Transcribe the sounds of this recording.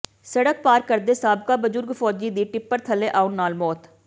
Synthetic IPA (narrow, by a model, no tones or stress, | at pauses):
səɽək̚paːɾkəɾd̪eːsaːbkaːbəzʊɾɡfʰɔːd͡ʒiːd̪iːʈɪpːəɾt̪ʰəleːʔaːʊnːaːlmɔːt̪